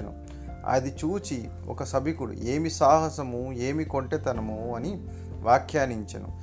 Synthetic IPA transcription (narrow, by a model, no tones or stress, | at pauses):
ɐnṵ | ɐ̰d̪it͡ʃuːt͡ʃi | ɔ̰kɐsɐbʱikuɽṵe̞ːmisaːɦɐsɐmue̞ːmiko̞ɳʈet̪ɐnɐmuɐni | ʋaːkʰjaːniɲt͡ʃɐnṵ